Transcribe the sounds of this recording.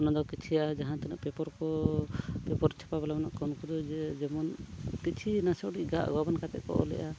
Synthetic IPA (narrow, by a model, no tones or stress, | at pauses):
ɔnad̪awkit͡ʃʰijaad͡ʒaɦãt̪ɛnaʔpɛpɔɾkɔ | pɛpɔɾt͡ʃʰɛ̥pabɛlamɛna̰ʔkankud̪ɔd͡ʒɛmɔnkit͡ʃʰinasɔʔɖiʔɡaa̰ʔa̰ɡabankat̪ɛ̰ʔkɔ̰ʔɔ̰lɛ̰ʔa